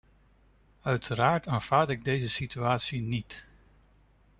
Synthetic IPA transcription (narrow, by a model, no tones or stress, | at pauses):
œɥtʰəɾaːɹtaːnv̥aːɹdɪɡ̚dejzəsityaːtsinit